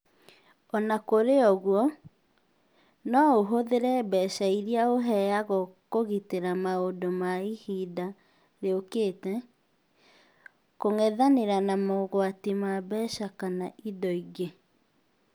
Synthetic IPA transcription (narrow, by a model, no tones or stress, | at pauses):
ɔnakoɾeɔɣwɔ | nɔoɦoðeɾɛbɛːʃaiɾiaoɦɛaɣɔkoɣiteɾamaodomaihida | ɾeokeːtɛ | koŋɛðaneɾanamɔɣwatimabɛʃakanaʔidɔiɣe